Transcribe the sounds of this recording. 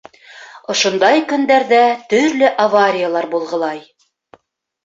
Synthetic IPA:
ŏʃŏnd̪ɑjkɵ̆nd̪æɾðæt̪ɵ̆ɾlɘʔavaɾʲɪjalˠɑɾbulˠʁɤ̆lˠɑj

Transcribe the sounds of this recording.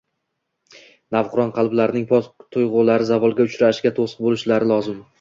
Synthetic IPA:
navqʰʊɾɒnqʰɑlˠblaɾnɪŋpʰɒzt̪ʰojʁʊlaɾɪzavɒlˠɡʲaʊt͡ʃɾaʃɡʲat̪ʰosqbolˠɪʃlaɾɪlˠɒzɪm

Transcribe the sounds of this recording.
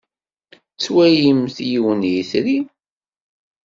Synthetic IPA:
t͡sːwæjimθjiwənjiθɾi

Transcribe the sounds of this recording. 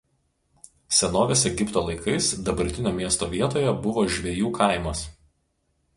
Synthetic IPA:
sʲɛnoːʋʲeːsɛɡʲɪpt̪oːlˠɐɪkɐɪsd̪ɐbɐɾʲt̪ʲɪnʲoːmʲiɛst̪oːʋʲiɛt̪oːjɛbʊʋoːʒʲʋʲeːjuːkʰɐˑɪmɐs

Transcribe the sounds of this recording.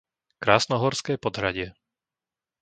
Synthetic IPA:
kɾaːsnɔɦɔɾskɛːpɔd̪ɦɾaɟɪɛ

